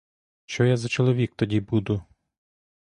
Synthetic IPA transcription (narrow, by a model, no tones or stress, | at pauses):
t͡ʃɔjazɐt͡ʃɔlˠɔʋʲik̚t̪ɔdʲibud̪ʊ